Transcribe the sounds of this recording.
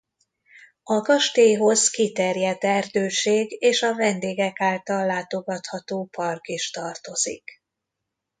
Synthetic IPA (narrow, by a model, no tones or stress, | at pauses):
ɒɡɒʃt̪eːɦo̞zkit̪ɛrjɛd̪ɛrd̪øːʃeːɡeːʃɒvɛnd̪eːɡɛkaːlt̪ɒlːaːt̪o̞ɡɒt̪hɒt̪oːpɒrkiʃt̪ɒrt̪o̞zḭk